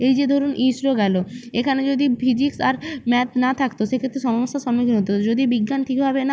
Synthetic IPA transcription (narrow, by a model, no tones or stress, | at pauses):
ejd͡ʑed̪ʱɔɾonʔisɾoɡɛloekʰaned͡ʑod̪ipʰid͡ʑiksaɾmɛt̪nat̪ʰakt̪oʃekʰet̪ːɾeʃɔmoʃːaʃɔmiknɦot̪od͡ʑod̪ibiɡːanʈʰikbʱabena